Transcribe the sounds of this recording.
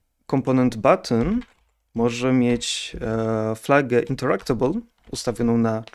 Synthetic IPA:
kɔmpɔnɛnd̪bat̪n | mɔʐɛmʲjet͡ɕ | flaɡɛʔint̪ɛɾakt̪ɛbul | ust̪avʲjɔnɔ̃w̃na

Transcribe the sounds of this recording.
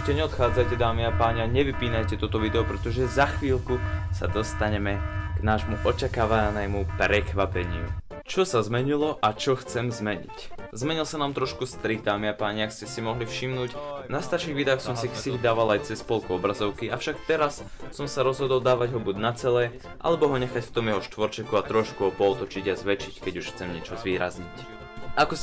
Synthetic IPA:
uʃcɛɲɛɔt̪xaːd͡zajcɛd̪aːmiapaːɲɛaɲɛʋipiːnajcɛt̪ɔt̪ɔʋid̪ɛɔpɾɛt̪ɔʒɛzaxʋiːlkusa̰d̪ɔst̪aɲɛmɛɡ̥naːʒmuʔɔt͡ʃakaːʋanɛmupɾɛkʋapɛɲɪ̰ṵ | t͡ʃɔsazmɛɲilɔʔat͡ʃɔxt͡sɛmzmɛɲḭczmɛɲilˠsanaːmt̪ɾɔʃkust̪ɾidd̪aːmiapaːɲɛakscɛsimɔɦlifʃimnuːcnast̪aɾʃiːɣʋid̪aːxsɔmsiksilid̪aːʋalajt͡sɛspɔlkuɔbɾazɔʊkiafʃakt̪ɛɾas | sɔmsaɾɔzɦɔd̪ɔlˠd̪aːʋaɟɦɔbuɟnat͡sɛlɛ | ʔa̰lɛbɔɦɔɲɛxacft̪ɔmjɛɦɔʃt̪ʋɔɾt͡ʃɛkuat̪ɾɔʃkuɦɔpɔɔt̪ɔt͡ʃiɟazʋɛt͡ʃickɛɟuʃxt͡sɛmɲɛt͡ʃɔzʋiːɾa̰zɲic | ʔakɔ

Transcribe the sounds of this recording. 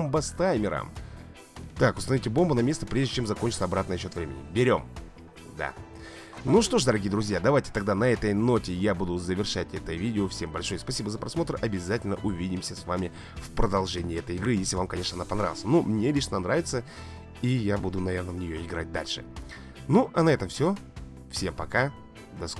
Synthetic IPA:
mbəst̪ajmʲɪɾa̰m | t̪akʊst̪ɐnɐvitʲɪbo̞mbʊnɐmʲe̞st̪əpɾʲeʐdʲɪt͡ɕemzɐko̞nʲt͡ɕɪt̪sɐbɾat̪nəjɕːot̪vɾʲemʲɪ̰nʲɪ̰bʲɪɾʲo̞m | d̪a̰ | nuʂt̪oʂ̬d̪əɾɐɡʲijəd̪ɾʊzʲjad̪ɐvajtʲɪ̥t̪ɐɡd̪anɐɛt̪əjno̞tʲɪjabud̪ʊzəvʲɪrʂatʲɛt̪əvʲidʲɪofsʲe̞mbɐlʲʂo̞jəspɐsʲibəzəpɾʔɐsmo̞t̪ɾrʔɐbʲɪzatʲɪlʲnəʔʊvʲidʲɪmsʲəsvamʲɪ | fpɾəd̪ɐlˠʐɛnʲɪːɛt̪əjɪɡɾɨjesʲlʲɪvamkɐnʲeʂnəɐnapɐnɾavʲɪlˠsənumnʲelʲiʂnnanɾavʲɪt̪sə | ijabud̪ʊnɐvʲernəvnʲɪjoɪɡɾat̚ʲd̪a̰lʲʂɨ̰ | nuʔɐnɐɛt̪əmfsʲo | fsʲe̞mpɐka | d̪ɐsk

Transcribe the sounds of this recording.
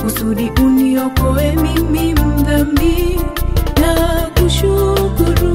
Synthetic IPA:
usuɾiʔuniɔkoemimimud̪ambi | nakuʃukuɾu

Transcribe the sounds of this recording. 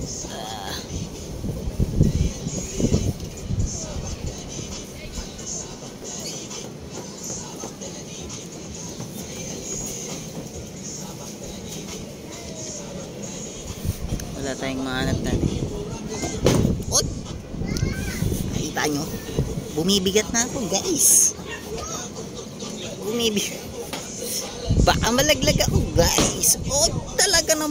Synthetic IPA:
a | wɐlaːt̪aːjoŋmɐaːnɐp̚na̰t̪ɪ̰n | ʔoɡ̚ | kɐkiːt̪aʔaɲobʊmiːbɪɡat̪̚nɐɐkoɡaʔɪs | bʊmibɪɡ | bɐkamɐlɐɡlɐɡɐkoɡaʔɪsoɡ̚t̪ɐlɐɡanɐ

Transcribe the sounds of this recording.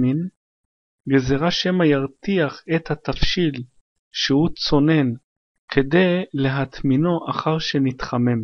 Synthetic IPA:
in | ɡezeʁaʃe̞majaʁt̪iaχet̪hat̪afʃil | ʃehut͡so̞ne̞n | kʰe̞d̪e̞jle̞ɦat̪mino̞ʔaχaʁʃe̞nit̪χame̞m

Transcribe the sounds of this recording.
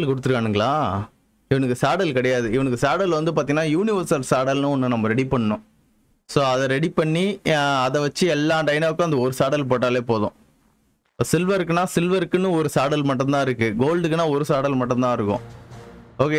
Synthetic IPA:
lkʊɽɯt̪ːɯɾɯkaːnɯŋɡɐɭaː | ɪʋɐnɐkːɯsaːɽɐlkɐɽɐjaːðɯɪʋɐnɐk̬ːɯsaːɽɐlʋɐnd̪ɯpaːɾt̪iŋɡɐnːaːjuːnɪʋɐɾsɐlsaːɽɐlnɯ̃ɔnːɯnɐmːɐɾɛɽipɐɳːɐnʊ̃ | soːɐðɛɾɛɽipɐɳːiɐðɛʋɐt͡ʃːɯɛlːaːʈɐɪnaːʋɯkːʊ̃ɐnd̪ɐɔɾɯsaːɽɐlp̬oːʈːaːleːpoːðʊ̰̃ | sɪlʋɐɾɯk̬ːɯnːaːsɪlʋɐɾɯkːɯnːɯ̃ɔɾɯsaːɽɐlmɐʈːʊ̃nt̪ãːɪɾɯkːɯɡoːlɖɯkːɯnːaːɔɾɯsaːɽɐlmɐʈːʊ̃nt̪ãːɪɾɯkːʊ̰̃ | oːke

